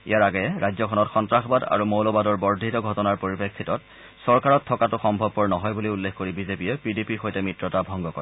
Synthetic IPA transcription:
ḭjaɹaɡɛɛɹajzɔkʰɔnɔtxɔntɹaxɔbada̰ɹumolɔbadɔɹbɔɹdʱitɔɡʱɔtɔnaɹpoɹipekʰːitɔt̚ | sɔɹkaɹɔtʰːɔkatʊxɔmbʱɔb̚kɔɹnɔɦɔjbuliulːekkoɹibizepiɛpidipixojtɛmɹitɹɔtabʱɔŋɡɔkɔ̰ɹɛ

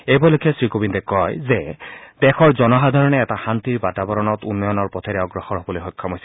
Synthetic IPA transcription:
ejbɔlokʰɛsɹikobintɛkɔjzɛdɛxɔɹzɔnɔɦad̪ʱaɹɔnɛɛtaxantiɹbatabɔɹɔnɔtunːɔjɔnɔɹpɔtʰɛɾɛoɡɹɔxɔɹɦobɔlojxɔjkʰːamojsɛ

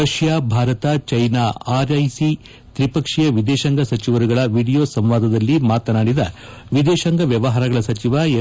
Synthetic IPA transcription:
ɐʂjaːbʱaːɾɐt̪ɐt͡ʃɐjnaːaːɾɐjsi | t̪ɾipɐkʂijɐʋid̪eːʃɐŋɡɐsɐt͡ʃiʋɐɾuɡɐɭɐʋiːɖijoːsɐmʋaːd̪ʱɐd̪ɐlːimaːt̪ɐnaːɽid̪ɐʋid̪eːʃɐŋɡɐʋjɐʋɐɦaːɾɐɡɐɭɐsɐt͡ʃiʋa

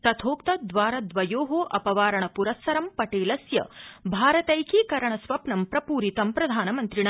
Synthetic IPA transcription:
t̪ɐt̪ʰoːkt̪ɐd̪ʋaːɾɐd̪ʋɐjoːɦoːʔɐpɐʋaːɾɐɳɐpuɾɐsːɐɾɐmpɐʈeːlɐsjɐ̰bʱaːɾɐt̪ɐjkiːkɐɾɐɳɐsʋɐpnɐmpɾɐpuːɾit̪ɐmpɾɐd̪ʱaːnɐmɐnt̪ɾiɳ

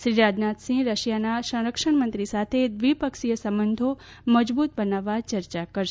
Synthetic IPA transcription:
ʃɾiɾad̪nat̪sĩɾəʃjanaʃə̃w̃ɾəkʂəɳmənt̪ɾisat̪ʰed̪ʋipəkʃijəsəmbənd̪ʱo | məd͡ʒbut̪̚bənaʋat͡ʃəɾt͡ʃakəɾʃ

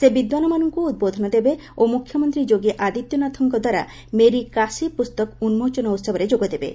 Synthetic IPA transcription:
sebid̪wanɔmanɔŋkuud̪̚bod̪ʱɔnɔd̪ebe | omukʰjɔmɔnt̪ɾid͡ʒoɡeʔad̪it̪jɔnat̪ʰɔŋkɔd̪ʱwaɾa̰ | meɾikasipust̪ɔkunmot͡ʃɔnɔut̪sɔbɔɾed͡ʒoɡɔd̪ebḛ

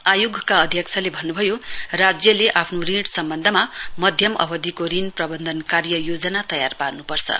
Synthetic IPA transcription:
ajoɡʱkaʌd̪ʱjʌk̚t͡sʰalebʱʌnːubʱʌjorad͡zjʌleʔapʰnoriɽsʌmbʌnd̪ʱʌmamʌd̪ʱjʌmʔʌ̰bʌd̪ikoɾinprʌbʌnd̪ʱʌnkarjʌjod͡zʌnat̪ʌjarparnupʌrt͡sʰʌ̰

